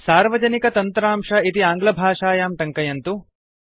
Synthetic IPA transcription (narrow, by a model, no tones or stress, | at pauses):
saːɾʋɐd͡ʒɐnikɐt̪ɐnt̪ɾaːmʂɐit̪iaːŋɡlɐbʱaːʂaːjaːmʈɐŋkɐjɐnt̪u